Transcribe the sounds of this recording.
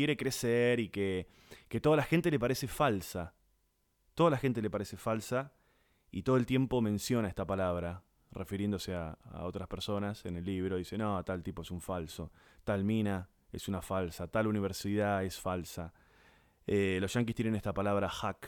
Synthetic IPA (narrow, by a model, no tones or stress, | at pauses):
jeɾekɾeseɾike | ket̪oð̞alaxe̞nt̪e̞lepaɾese̞falsa | t̪o̞ðalaxe̞nt̪ele̞paɾese̞falsa | ḭt̪oðolt̪je̞mpo̞mẽ̞nsjo̞naest̪apalaβ̞ɾa | rʔefiɾje̞nd̪oseaa̰o̞t̪ɾaspeɾso̞nasenelːiβɾoðisenot̪alt̪ipoesuɱfalso̞t̪almĩna | esunafalsat̪aluniβ̞eɾsiðaesfalsa | elosʃaŋk̬ist̪jenenest̪apalaβɾaxak